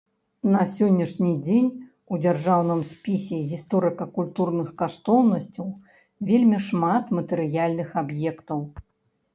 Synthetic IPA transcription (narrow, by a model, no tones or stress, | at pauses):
nɐsʲɔnʲːɐʂnʲid͡zʲenʲ | ud͡zʲarʐawnɨmsʲpʲisʲɛɣʲist̪ɔɾɨkɐkulʲt̪urnɨxkaʂt̪ɔwnɐsʲt͡sʲɐw | vʲelʲmʲiʂmat̪mɐt̪ɨɾɨjalʲnɨxabjɛkt̪ɐw